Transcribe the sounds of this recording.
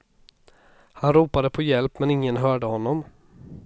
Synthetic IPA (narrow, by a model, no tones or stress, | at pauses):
hanɾuːpad̪əpʰɔjɛlpmɛnɪŋːənɦœːɖəhɔnːɔm